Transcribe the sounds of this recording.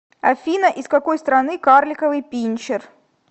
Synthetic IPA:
ɐfʲinəʔɪskɐkojst̪ɾɐnɨkarlʲɪkəvɨjpʲinʲt͡ɕɪr

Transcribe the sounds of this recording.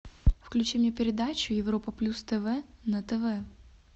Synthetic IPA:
fklʲʉt͡ɕimnʲepʲɪɾʲɪd̪at͡ɕʊjɪvropəplʲust̪ɛvɛnɐt̪ɛvɛ

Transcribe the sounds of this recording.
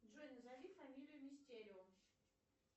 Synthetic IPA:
ʐonʲzalʲifamʲilʲɪjʊmʲisʲtʲeɾʲ

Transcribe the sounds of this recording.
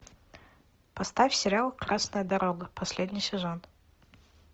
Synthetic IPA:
pɐst̪afʲsʲɪɾʲalˠkrasnəjəd̪ɐɾoɡəpʰɐsʲlʲed̪ʲnʲɪjsʲɪʐont̪

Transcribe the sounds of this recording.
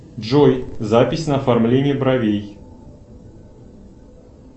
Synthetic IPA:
ʐɔjzapʲɪsʲnəɐfarmlʲenʲɪjəbɾɐvʲej

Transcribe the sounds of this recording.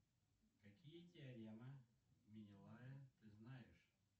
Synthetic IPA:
kɐkʲijətʲɪɐɾʲɛmɐmʲɪnʲɪlˠajɐt̪ɨznajɪʂ

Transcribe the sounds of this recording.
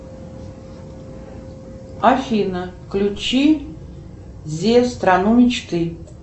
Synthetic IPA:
afʲinəklʲut͡ʃʰi | zʲest̪ranumʲit͡ʃt̪ʰɨ

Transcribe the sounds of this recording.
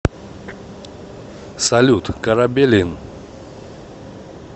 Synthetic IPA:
salut̪kaɾabelen

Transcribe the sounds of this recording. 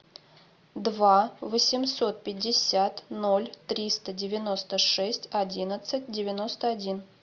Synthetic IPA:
d̪vavəsʲɪmso̞t̪̚pʲɪdʲːɪsʲat̪nolʲt̪ɾʲist̪ədʲɪvʲɪno̞st̪əʂɛsʲtʲɐdʲinət̪sɨt̚ʲdʲɪvʲɪno̞st̪əɐdʲin

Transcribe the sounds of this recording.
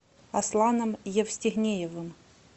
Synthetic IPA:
ɐslˠanɐmjɛfsʲtʲɪɣnʲejɛvɨm

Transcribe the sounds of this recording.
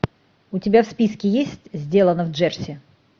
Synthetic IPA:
ʊtʲɪbʲafspʲiskʲɪjesʲtʲzʲdʲe̞lˠənəvdʐɛrsʲɪ

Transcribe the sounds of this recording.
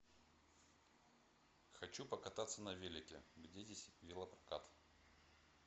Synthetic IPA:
xɐt͡ɕupəkɐt̪at̪sːənɐvʲelʲɪkʲɪ̰ɡdʲedʲesʲɪvʲilˠəpɾɐ̥ka̰t̪

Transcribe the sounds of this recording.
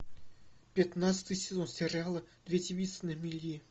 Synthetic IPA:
pʲɪt̪nat̪sɨ̥t̪ɨjsʲɪzonsʲɪrʲalˠəd̪̥vʲetʲɪvʲit̪sənəmʲilʲi

